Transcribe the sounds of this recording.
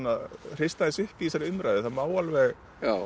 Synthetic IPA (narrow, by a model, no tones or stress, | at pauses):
naðr̥ɪst̪aðɪsʏhpɪisaɾɪʏmɾajðɪθaðmaːwalvɛɣ | a